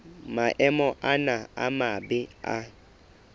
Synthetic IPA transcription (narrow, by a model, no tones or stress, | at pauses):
maʔɛmɔʔanaa̰mabɪa̰